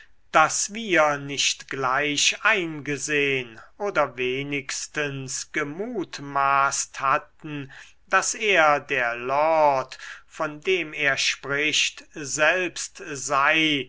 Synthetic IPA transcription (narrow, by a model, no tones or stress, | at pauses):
d̥asviːɐnɪʃtɡ̥laɪʃaɪnɡəzeːənʔoːdɐveːnɪkstənsɡ̥əmuːtmaːsthatn̩ | d̥aseːɐdeːɐlɔtfɔndeːmeːɐʃpʁɪʃtzɛlpstzaɪ